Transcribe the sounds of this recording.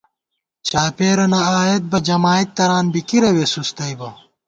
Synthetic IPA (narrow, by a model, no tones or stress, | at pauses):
t͡ɕaːpeːɾɐnɐaːjet̪̚bɐd͡ʑɐmaːit̪ːɐɾaːnbikiɾɐwesust̪ɐjbɐ